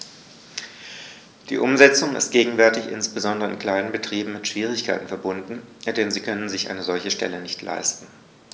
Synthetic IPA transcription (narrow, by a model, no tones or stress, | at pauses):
d̥ḭːʔʊmzɛt͡sʊŋɪ̰st̚ɡ̥eːɡŋ̩vɛɐtɪçʔɪ̰nsb̥əzɔndəʁəɪ̰nkl̥aɪnənbətʁ̥iːbm̩mɪtʃv̥iːʁ̞ɪçkʰaɪtn̩fɛɐbʊndn̩d̥ɛnziːkʰœnənzɪçʔa̰ɪnəzɔlçəʃtɛ̰lənɪçtʰlʔa̰ɪstn̩